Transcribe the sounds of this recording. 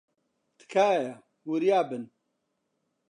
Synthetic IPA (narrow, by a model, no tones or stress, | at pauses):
t̪ɨ̥kʰaːja | wuɾijaːbɨn